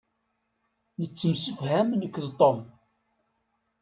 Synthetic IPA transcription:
nət͡sːəmsəfhæmnəkːðt̪ˤom

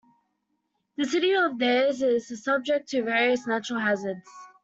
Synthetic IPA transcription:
ðəsɪɾiəvðɛzɪz̥sʌb̚d͡ʒɛk̚tʰəvɛːɹiəsnat͡ʃəɹəlˠɦazədz̥

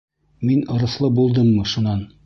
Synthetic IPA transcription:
minŏɾɤ̆θlˠɤbulˠd̪ɤmːɤʃunɑn

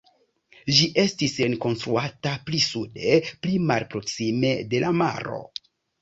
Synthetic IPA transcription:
ʒiʔe̞stisenko̞nstɾuataplisude̞plimalpɾo̞ksime̞de̞lama̰ɾo̞̰

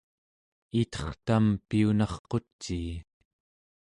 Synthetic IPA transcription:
it̪ʌ̥χt̪ampiunɑχqo̞t͡ʃːiː

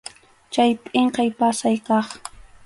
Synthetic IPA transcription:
t͡ʃajp̪ʼeɴqɑjpasajkɑχ

